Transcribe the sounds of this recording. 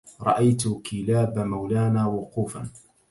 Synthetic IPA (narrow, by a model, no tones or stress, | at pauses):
ɾˤɑʔajt̪ʊkɪlaːbmawlaːnaːwʊquːfan